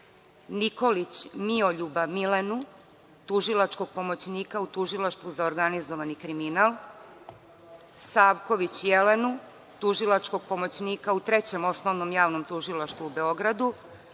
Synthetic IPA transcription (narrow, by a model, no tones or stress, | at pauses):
niko̞lit͡ɕmio̞ʎubamilenu | t̪uʒilˠat͡ʃko̞ɡ̚po̞mo̞t͡ɕniːkaut̪uʒilˠaʃt̪vuzaoɾɡanizoʋanikɾiminaːlˠ | saːʋko̞ʋit͡ɕjelenu | t̪uʒilˠat͡ʃko̞ɡ̚po̞mot͡ɕniːkaut̪ɾet͡ɕe̞mo̞snoʋnomjaːʋno̞mt̪uʒilˠaʃt̪vuube̞o̞ɡɾad̪u